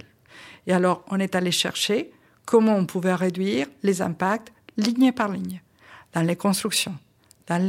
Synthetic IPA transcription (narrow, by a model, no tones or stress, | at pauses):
ealɔʁɔ̃nɛt̪aleʃɛ̰ʁʃe | kʰɔmɑ̃ɔ̃puvɛʁed̪ɥiʁlezɛ̃pak̚t̪liɲepaʁliɲ | d̪̥ɑ̃lekɔ̃st̪χyksjɔ̃ | d̪̥ɑ̃l